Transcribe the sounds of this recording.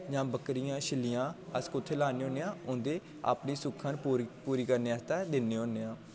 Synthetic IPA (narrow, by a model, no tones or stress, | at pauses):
d͡ʒãːbəkɾɪjãːʃɪlijãːəskʊt̪ʰːeːlaːneːɦoːneːãːʊ̃nd̪eː | a̰ːpniːsʊkʰːãːnpuːɾiːkəɾneːaːst̪ɛːd̪ɪnːeːɦõːneːãː